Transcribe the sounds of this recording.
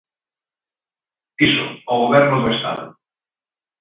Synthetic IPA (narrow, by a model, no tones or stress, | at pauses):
isʊ̰ɔwɣoβɛɾnʊðʊest̪a̰ðʊ̰